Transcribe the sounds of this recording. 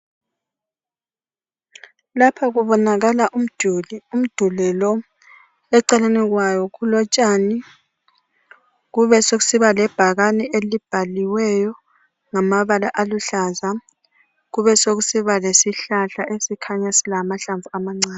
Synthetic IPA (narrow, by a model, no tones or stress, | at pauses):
lapʰaɣuβɔnaɣalaʔum̩d̥ʱulium̩d̥ʱulɛlɔ | ɛǀɛlanɛɣwajɔɣulɔt͡ʃʼani | ɣuβɛsoɣusiβalɛb̥ʱaɣanɛelib̥ʱaliwɛjɔ | ŋamaβalaʔaluɬaza | ɣuβɛsoɣusiβalesiɬaɬaʔesikʰaɲasilamaɬaɱvuamaŋ͡ǀaːn